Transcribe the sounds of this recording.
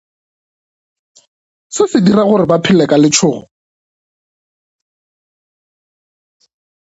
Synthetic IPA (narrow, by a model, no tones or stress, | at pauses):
sɪfɪdiraɣʊrɪbapʰɪlɛkʼalɪt͡ʃʰʊːɣɔ